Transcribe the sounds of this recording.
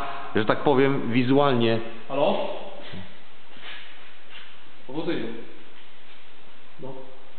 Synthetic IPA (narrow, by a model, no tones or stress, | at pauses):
ʐɛt̪ak̚pɔvʲjɛm | vʲizualɲɛ | xalɔ | nɔ | ɔvɔzɛjɛ | nɔ